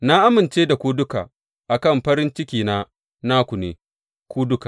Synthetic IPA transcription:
na˦ʔa˦mɪ˨nt͡ʃeː˦da˨kʷu˦dʊ˦ka̰ː˨ | ʔa˨kɐ˦˨mɸɐ˦ɾɪ˦nt͡ʃɪ˦kʲiː˨naː˦ | naː˦kʷu˨neː˨ | kʷuː˦dʊ˦ka˨

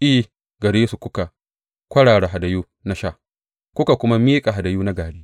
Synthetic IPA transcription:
ʔɪ˦ | ɡɐ˨ɽeː˦su˨kʷʊ˦ka˨ | kʷɐ˦ɽaː˨ɽa˨ɦa˨da˨juː˦ | na˦ʃa˦˨ | kʷʊ˦ka˨kʷʊ˦ma˦miː˦kʼa˨ɦa˨da˨juː˦na˦ɡaː˨ɽiː˦

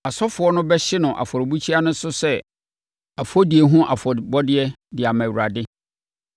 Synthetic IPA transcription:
a˨sɔ˦fʊ˨˦ɔ˦nʊ̃˦bɛ˦ɕɪ˦nʊ̃˨ʔa̰˨fɔ˨ɾɪ˨bu˦t͡ɕʰi˦a˦nʊ̃˦sʊ˦sɛ˦ | a˨fɔ˦di˨e˨ɦũ˦ʔa˨fɔ˨bɔ˦dɪ˦ɛ˦ | dɪ˨a˨mã˨wu˨a˨dɪ˦

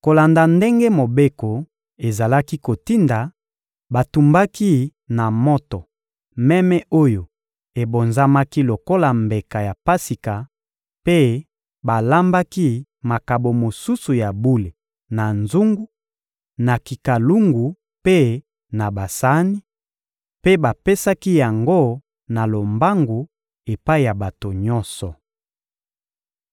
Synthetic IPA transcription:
ko˨la˨nda˨nde˦ŋɡe˦mo˨be˦ko˨ | e˨za˨la˦ki˦ko˨ti˦nda˨ | ba˨tu˨mba˦ki˦na˨mɔ˦tɔ˨ | mɛ˦mɛ˦ʔo˦jo˨ | e˨bo˨nza˦ma˦ki˦lo˨ko˦la˨mbe˨ka˨ja˨pa˦si˨ka˨ | pe˦ | ba˨la˦mba˦ki˦ | ma˨ka˨bo˨mo˨su˦su˨ja˨bu˦le˨ | na˨nzu˦ŋɡu˦ | na˨ki˨ka˨lu˦ŋɡu˨ | pe˦ | na˨ba˨sa˦ni˦ | pe˦ba˨pe˦sa˦ki˦ja˨ŋɡo˦ | na˨lo˨mba˦ŋɡu˨ | e˨pa˦i˦˨ja˨ba˨to˨ɲɔ˦nsɔ˨

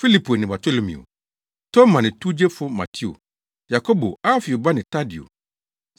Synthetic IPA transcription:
fi˦li˦pu˨e˨nɪ̃˨ba˨tʰo˦lo˨˦mḭ̃˨o̰˨ | tʰo˦mã˨nɪ̃˨tu˦d͡ʑe˦fʊ˦ma̰˨tʰi˦o̰˨ | ja˨ko˦bo˨a˦fi˨o˨ba˦nɪ̃˨ta˦di˨o̰˨

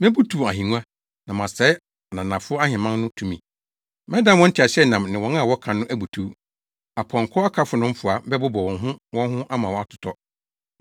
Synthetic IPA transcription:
mɛ̃˦bu˦tʰu˨a˨ɦĩ˨nũ˦ã˦ | nã˨mã˨sɛ˨˦˨ | nã˨nã˨fʊ˦ɔ˦a˦hɪ̃˨mã˦n˦nʊ̃˦tʰũ˦˨mĩ˨ | mɛ̃˦dã˦wɔ̃˦n̩˦tʰɪ˨a˨ɕɛ˦nã˨mnɪ̃˨wɔ̃˨nã˦˨wɔ˦kʰã˨nːʊ̃˦ʔæ˦bu˨tʰu˦ | a˨pʰɔ̃˨ŋ˨kʰɔ˦a˦kʰa˦fʊ˨nʊ̃˦m̩˦fʊ˨a˨bɛ˦bʊ˦bɔ˨wɔ̃˨nɦʊ̃˦wɔ̃˦ɦʊ̃˦ʔa˦mã˨wɔ̃˨˦a˦tʰʊ̥˨tʰɔ˦

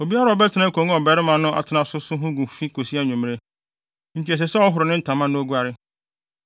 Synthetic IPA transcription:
o˨bi˦a˦ɾa˨ɔ˨bɛ˦tʰɪ˨nã˦kʰõ˨ŋũ˦ɔ˨bɛ˨ɾɪ˦mã˨nʊ̃˦ʔa̰˨tʰɪ˨˦nã˨sʊ˦sʊ˦ɦʊ̃˦ɡʊ̃˨fi˦kʰo˨si˦a˦ɲũ˨m˦ɾe˦ | n̩˦tʰi˨ɛ˨s̬ɛ˨sɛ˦ɔ˦ɦʊ˨ɾʊ˨nɪ̃˦n̩˦tʰã˨mã˦nʊ̃˦o˦ɡu˦a˦ɾɪ˦

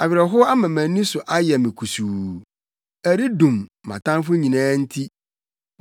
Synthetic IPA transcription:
a˨ɥɪ˨ɾɛ˨ɦʊ˦a˦mã˨mæ̃˨nĩ˦sʊ˨ʔa˦jɛ˨mɪ̃˨kʰu˨su˨ | æ˨ɾi˦dũ˨mːã̰˨tã˦n˦fʊ˦ɲĩ˨nãː˦n̩˦tʰi˦

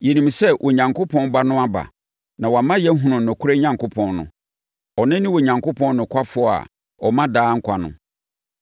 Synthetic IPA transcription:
je˨nĩ˨msɛ˦wʔɔ˨ɲã˨ŋkʰʊ˦pʰɔ̃˦nba˦nʊ̃˦a˦ba̰˨ | nã˨wa˨mã˦jɛ˦ɦũ˨nʊ̃˨nʊ̃˨kʰʊ˦ɾe˦ɲã˨ŋkʰʊ˦pʰɔ̃˦nnʊ̰̃˨ | ɔ˨nɪ̃˦nɪ̃˦wɔ˨ɲã˨ŋkʊ˦pʰɔ̃˦n˦nʊ̃˨kʰʷa˦fʊ˦ɔ˦a̰˨ | ɔ˨mã˦daː˦ŋ̩˦kʷʰa˨nʊ̰̃˨

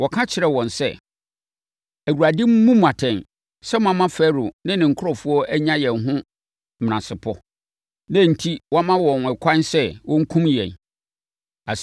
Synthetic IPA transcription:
wɔ˨kʰã˦t͡ɕʰɪ˨ɾɛ˨wɔ̃˨nsɛ̰˦˨ | æ˨wu˨ɾa˨dɪ̃˦m˦mũ˦m˨ã˨tʰɛ̃˨n | sɛ˦mʊ̃˦˨a˦mã˦fɛ˦ɾʊ˨nɪ̃˦nɪ̃˨ŋ̩˨kʰʊ˦ɾɔ˨fu˦ɔ˦ʔæ˦ɲã˦jɛ̃˨nɦʊ̃˦ | mm˨nã˨sɪ˨pʰɔ˦ | nã˦˨n̩˨tʰi˦wɔ˦a˦mã˦wɔ̃˨nɛ˨kʰã˦nsɛ˦wʔɔ̃˦ŋ̩˦kʰũ˦mjɛ̰̃˨n | a˨

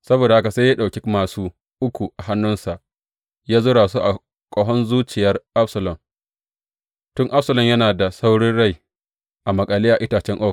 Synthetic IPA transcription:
sɐ˦boː˨da˨ha˦ka˨se˦jaː˦ɗa˨wkʲi˦maː˨suː˦ | ʔʊ˦kʷu˨ʔa˨ɦa˦nːʊ˦nsa˨ʔ | jaː˦zʊ˦ɽaː˨su˦ʔa˨ | kʷʼɔ˦ɦɔ˦nzuː˦t͡ʃɪ˨jɐ˦rʔa˦psɐ˨lɔ˨m | tʊ˦ŋʔa˦psɐ˨lɔ˦˨mjɐ˦naː˨da˨sa˦wɽɪ˦nɽa˦˨j | ʔa˨mɐ˨kʼa˨lɪ˦ja˨ʔɪ˦taː˨t͡ʃɛ˦ŋʔoː˦k

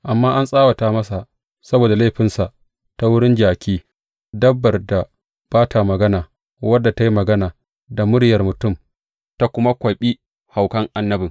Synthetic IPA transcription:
ʔa˨mːaː˦ʔa˦nsʼaː˦wa˨taː˦mɐ˦sa˨ | sɐ˦boː˨da˨leː˦ɸɪ˦nsa˨ʔ | ta˦wʊ˦ɽɪ˦nd͡ʒaː˨kʲiː˦ | dɐ˦bːɐ˨rda˨ | b̥aː˦tʰa˨mɐ˨ɡɐ˦naː˨ | wɐ˦dːa˨ta˦ji˦mɐ˨ɡɐ˦naː˨ | da˨mʊ˦ɽjɐ˨rmʊ˨tʊ˦˨m | ta˦kʷʊ˦ma˦kʷɐ˨ɓi˦ | ha˨wkɐ˦ŋʔa˨nːɐ˦bɪ˨

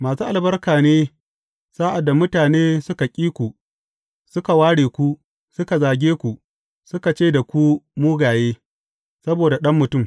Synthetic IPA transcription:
maː˨suː˦ʔa˨lbɐ˦rkaː˨neː˦ | saː˦ʔa˨dːa˨mʊ˦taː˨neː˦sʊ˦ka˨kʲʼiː˦kʷu˨ | sʊ˦ka˨waː˦ɽeː˨kʷu˦ | sʊ˦ka˨zaː˨ɡʲeː˦kʷu˨ʔ | sʊ˦ka˨t͡ʃeː˦da˨kʷu˦muː˦ɡaː˨jeː˦ | sɐ˦boː˨da˨ɗɐ˦mːʊ˨tʊ˦˨m

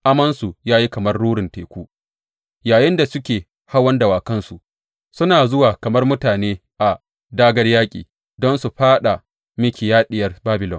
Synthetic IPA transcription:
ʔa˦mɐ˦nsu˨jaː˦ji˦kɐ˨mɐ˦rːuː˦ɽɪ˨nteː˨kʷuː˦ | jaː˨jɪ˦nda˨sʊ˦kʲeː˨ | ha˦wɐ˦ndɐ˨waː˨kɐ˦nsu˨ʔ | sʊ˦naː˨zʊ˦waː˨kɐ˨mɐ˦rmʊ˦taː˨neː˦ʔa˨ | daː˦ɡɐ˦rjaː˦kʲʼḭː˨ | dɔ˦nsu˨ɸaː˦ɗa˨ | mɪ˦kʲi˨jaː˦ɗɪ˦jɐ˨˦rbaː˦bɪ˨lɔ̰˨n

